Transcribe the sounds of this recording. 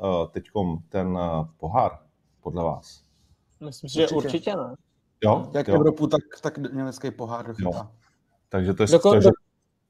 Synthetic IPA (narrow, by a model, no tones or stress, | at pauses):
t̪ɛckomt̪ɛnpo̞ɦaːɾ | podlɛva̰ːs | mɪslɪmsɪʒɛuɾt͡ʃɪcɛnɛ | jojakjɛvɾoput̪akt̪akdɲɛmɛt͡skejpoɦaːrdoxjɪoa | t̪aɡʒɛt̪odooo